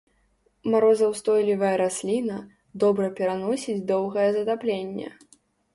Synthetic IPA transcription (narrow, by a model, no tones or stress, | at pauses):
maɾɔzɐwst̪ɔjlʲivɐjɐɾasʲlʲinɐ | d̪ɔbɾɐpʲɛɾanɔsʲid͡zʲd̪ɔwɣɐjɛzɐt̪aplʲenʲːɛ̰